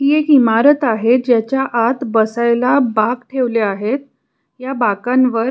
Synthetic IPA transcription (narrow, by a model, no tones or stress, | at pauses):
ijekimaɾət̪aɦed͡ʑjat͡ɕjaʔat̪bəsajlabaɡʈʰeʋleaɦet̪̚ | jabakãnʋəɾ